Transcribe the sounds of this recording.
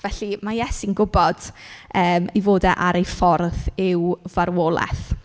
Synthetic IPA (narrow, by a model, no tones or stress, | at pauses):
vɛɬimajɛsinɡʊbɔd̥əːmivoːdɛʔaɾejfɔrθɪwvaɾwoːlˠɛ̰θ